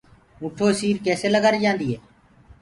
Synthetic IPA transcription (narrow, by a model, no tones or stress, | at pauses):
ũːʈʰoːsiːɾkɛːseːləɡaɾiːd͡ʒãːnd̪iːɦeː